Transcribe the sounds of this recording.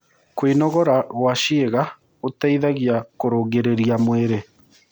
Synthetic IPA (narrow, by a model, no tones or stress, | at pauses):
kwinɔɣɔɾawaʃieɣa | otaiðaɣjakoɾoːɡeɾeɾiamweɾe